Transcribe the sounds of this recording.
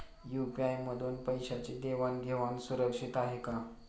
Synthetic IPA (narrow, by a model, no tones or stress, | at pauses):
jupiajməd̪ʱuːnpəjɕat͡ɕed̪eʋanɡʱeʋansuɾəkʂit̪aɦeka